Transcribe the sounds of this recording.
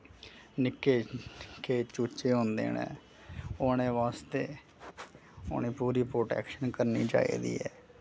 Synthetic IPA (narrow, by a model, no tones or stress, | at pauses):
nɪkːeːkʰeːt͡ʃuːt͡ʃeːɦõːnd̪ḛːnḛ̃ː | ʊːnẽːʋaːst̪eː | ʊ̰neːpuːɾiːpɾoːʈɛ̰ːkʃənkəɾniːd͡ʒa̰ːḭːd̪ḭːɛː